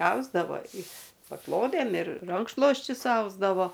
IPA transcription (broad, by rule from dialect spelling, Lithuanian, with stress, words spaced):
ˈɐʊzdɐʋoː ɪ pɐˈklˠoːdʲeːm ɪr ˈrɐŋkʃlˠoːsʲt͡ʃʲʊs ˈɐʊzdɐʋoː